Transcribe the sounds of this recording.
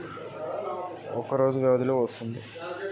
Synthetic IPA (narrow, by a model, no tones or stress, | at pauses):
ɔkɐɾo̞ːd͡ʒuʋɛʋɐd̪iloːʋɐst̪und̪i